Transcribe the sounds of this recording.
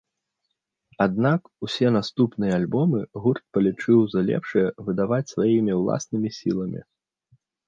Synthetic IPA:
ad̪̚nak | usʲɛnast̪upnɨjɐalʲbɔmɨɣurt̪̚pɐlʲit͡ʂɨwzɐlʲɛ̰pʂɨjɛvɨd̪avat͡sʲsvajimʲiwlˠa̰snɨmʲisʲilˠɐmʲḭ

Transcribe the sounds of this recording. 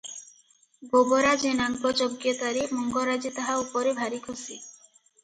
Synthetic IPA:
ɡoboɾad͡ʒenaŋkɔd͡ʒoɡjɔt̪aɾimɔŋɡoɾad͡ʒet̪aɦaupɔɾebʱaɾikʰosi

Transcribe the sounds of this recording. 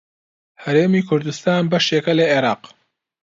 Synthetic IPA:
hɐɾeːmiːkʰʊɾd̪ust̪aːnbɐʃeːkɐlɐeːɾɑːq

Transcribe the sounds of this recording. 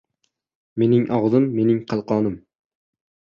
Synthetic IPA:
me̞nɪŋʔɒʁzɨmːe̞nɪŋqʰɑlˠqɑːnɪm

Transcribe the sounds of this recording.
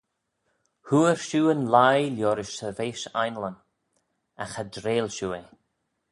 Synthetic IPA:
huːəɹʃuːənlajljɔːɾɪʃəveːʃa̰jnlən | axadɾeːlʃuːe

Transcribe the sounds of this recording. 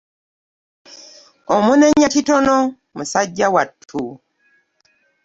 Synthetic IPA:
omuneɲacitonɔ | musaɟːawatʰu

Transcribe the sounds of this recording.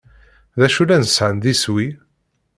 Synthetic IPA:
ðæʃulænəsʕənðiswi

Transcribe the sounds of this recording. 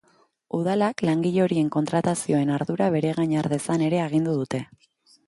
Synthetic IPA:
uð̞alaklaŋɡiʎo̞ɾie̞ŋko̞nt̪ɾat̪asio̞e̞naɾðuɾaβ̞e̞ɾe̞ɣaɲaɾðe̞sane̞ɾe̞aɣ̞ind̪uðut̪e̞

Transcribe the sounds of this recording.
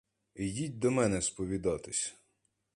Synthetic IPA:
idʲitʲd̪ɔmɛnɛspɔʋʲid̪ɑt̪ɪsʲ

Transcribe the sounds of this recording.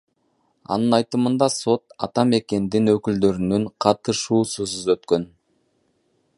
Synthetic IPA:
ɑ̰nɯnɑjt̪ɯmɯnd̪ɑso̞t̪ɑ̰t̪ɑme̞ke̞nd̪inøkyld̪ø̞ɾynyɴqʰɑt̪ɯʃuːsyzuzøt̪kø̞n

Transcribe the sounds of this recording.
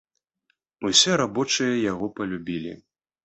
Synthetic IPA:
usʲɛɾabɔt͡ʂɨjɐjaɣɔpɐlʲubʲilʲḭ

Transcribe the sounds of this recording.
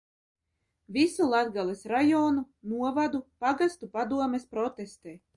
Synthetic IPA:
visulˠad̪ɡalˠɛsɾajɔːnu | nuɔvad̪upaɡast̪upad̪uɔmespɾɔt̪est̪eː

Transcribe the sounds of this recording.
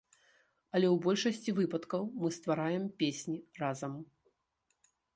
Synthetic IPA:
ɐlʲɛwbɔlʲʂɐsʲt͡sʲivɨpɐt̪kɐwmɨst̪vaɾajɛmpʲesʲnʲirazɐm

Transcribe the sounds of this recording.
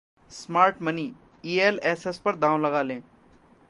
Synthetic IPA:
smaːɾʈməniː | iːelɛːsespɐɾd̪ãːʋlɐɡaːlẽː

